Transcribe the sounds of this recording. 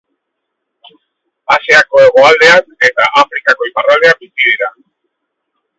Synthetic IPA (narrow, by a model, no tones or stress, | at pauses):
aseako̞eɣo̞ald̪e̞ake̞t̪aʔafɾikako̞iparald̪e̞abisiðiɾa